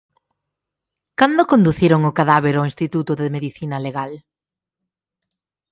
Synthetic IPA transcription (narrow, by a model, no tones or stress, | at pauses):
kand̪okond̪uθiɾoŋʊkaðaβeɾoinst̪it̪ut̪ʊðɪmeðiθinɐleɣal